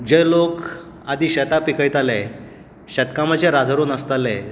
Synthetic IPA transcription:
d͡ʑelok | ad̪iːɕət̪apikəjt̪alɛ | ɕət̪kamat͡ɕeɾad̪ʱəɾonəst̪alɛ

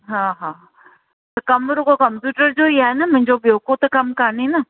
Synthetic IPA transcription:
ɦãːɦãː | t̪ɐkɐmɾokokɐmpjuːʈəɾd͡ʒoeaɛnamɐ̃ɲd͡ʒobjoːkot̪ɐkɐmkɐɾniina

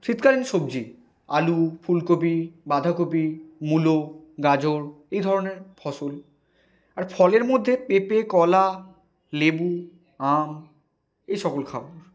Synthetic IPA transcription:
ʃit̪kalinʃob̚d͡ʑi | a̰lufʰulkopibad̪ʱakopimuloɡad͡ʑʱoɾ | ejd̪ʱɔɾoneɾfʰɔʃol | aɾfʰɔleɾmod̪ʱːepepekɔla | lebu | am | ejʃɔkolkʰaboɾ

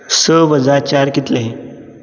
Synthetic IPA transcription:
səʋʱəd͡zaɾt͡ɕaɾkit̪leɦe

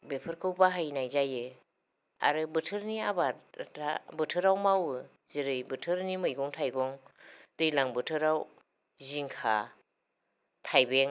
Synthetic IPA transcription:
bepʰɯɾkʰɯwbaɦajnajzajɯ | a̰ɾɯbɯtʰɯɾniabata̰bɯtʰɯɾawmawɯ | ziɾɯjbɯtʰɯɾnimɯjɡɔŋtʰajɡɔŋd̥ɯjlaŋbɯtʰɯɾaw | ziŋkʰa̰ | tʰajbeŋ

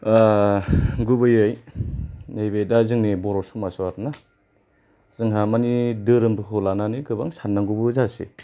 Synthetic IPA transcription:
a | ɡubɯjɯj | nejbejdazɯŋnibɔɾɔsumaswaɾna | zɯŋɦamanidɯɾɯmbɯkʰɯlananiɡɯba̰ŋsanːaŋɡubɯzasḛ

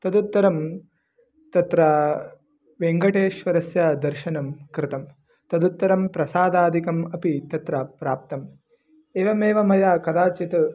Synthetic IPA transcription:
t̪ɐd̪ut̪ːɐɾɐm | t̪ɐt̪ɾɐ | ʋeŋɡɐʈeːʃʋɐɾɐsjɐd̪ɐɾʃɐnɐmkɾɪt̪ɐm | t̪ɐd̪ut̪ːɐɾɐmpɾɐsaːd̪aːd̪ʱikɐmɐpit̪ɐt̪ɾɐpɾaːp̚t̪ɐm | eːʋɐmeːʋɐmɐjaːkɐd̪aːt͡ʃit̪

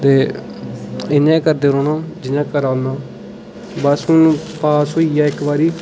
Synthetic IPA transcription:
t̪eː | ɪnãːkəɾd̪eːɾoːnãːd͡ʒɪnãːkəɾaːnãː | bəsʊnũpaːsɦoːijaːɪkbaːɾiː

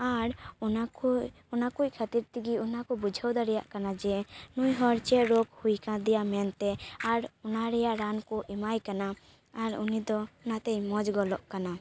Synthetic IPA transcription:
aɾna | ɔnakuckʰat̪iɾt̪iɡiunakɔbud͡ʒʱawd̪aɾɛjaʔkanad͡ʒɛnujɦɔɾt͡ʃɛʔɾoɡhujkãd̪ɛjamɛnt̪ɛaɾɔnaɾɛjaʔɾankɔʔɛmajkana | aɾunid̪ɔnat̪ɛjmɔd͡ʒɡɔlɔʔkana

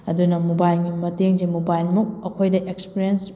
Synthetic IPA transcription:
ɐdunɐmobajlɡimɐteŋzemobajlmuk̚ɐkʰojdɐʔekspiɾiens

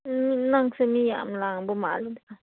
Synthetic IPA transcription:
minaŋsemija̰ʔm̩laŋbuma̰lubʔa

